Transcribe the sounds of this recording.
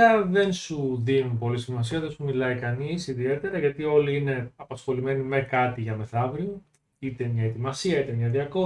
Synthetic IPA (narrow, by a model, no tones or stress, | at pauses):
ɐðe̞nsuðinupo̞lisimɐsiɐðesumilɐikɐnisiðie̞t̪e̞ɾɐʝɐt̪io̞liine̞ɐpɐsxo̞lime̞nime̞kɐt̪iʝɐme̞θɐvɾi | it̪e̞mɲɐet̪imɐsiɐit̪e̞mɲɐðiɐko̞